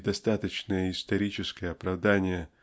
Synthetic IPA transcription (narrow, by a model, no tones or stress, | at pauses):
d̪ɐst̪at̪ət͡ɕnəjəɪst̪ɐɾʲit͡ɕɪskəjəɐpɾɐvd̪anʲɪjə